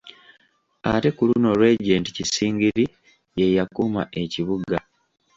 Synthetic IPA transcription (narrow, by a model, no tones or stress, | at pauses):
ate̞kuluno̞ɾwe̞ɟenti̥cisiːŋɡiɾi | je̞jakuma̰ʔe̞ciβuɡa